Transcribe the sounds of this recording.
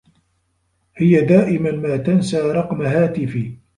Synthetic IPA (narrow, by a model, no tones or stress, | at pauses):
hɪjad̪aːʔɪmanmaːt̪ansaːɾˤɑqmaɦaːt̪ɪfiː